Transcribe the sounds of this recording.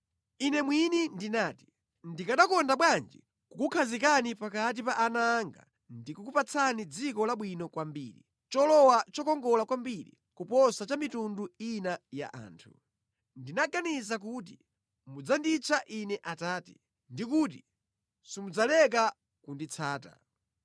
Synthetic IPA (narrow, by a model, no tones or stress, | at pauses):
inɛmwinindinaːti̥ | ndikaɗakɔndaɓwand͡ʒḭ | kukukʰazikanipakat̬ipaʔːnaːŋɡa̰ | ndikukupat͡sʰanid͡zikɔlaɓwinɔkwambiːɾḭ | t͡ʃɔlɔwat͡ʃɔkɔŋɡɔlakwambiɾḭ | kupɔsat͡ʃamitunduinaja̰ʔa̰ːntʰu | ndinaɡanizak̬ut̬i | mud͡zandit͡sʰaʔinɛʔataːti̥ | ndik̬uːt̬i | sumud͡zalɛk̬a | kundit͡sʰaːta̰